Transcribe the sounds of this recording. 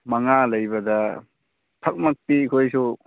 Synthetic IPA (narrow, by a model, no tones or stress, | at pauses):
maŋalɐjbɐdɐ | tʰɐk̚mak̚tikʰojsu